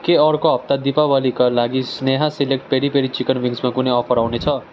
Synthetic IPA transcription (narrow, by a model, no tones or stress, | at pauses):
keʌɾkoɦʌp̚t̪ad̪ipabʌlikalaɡisneɦãsilekʈ̚peɽipeɽit͡sikʌnbiŋɡsmakunʌjʌpʰʌɾawnet͡sʰʌ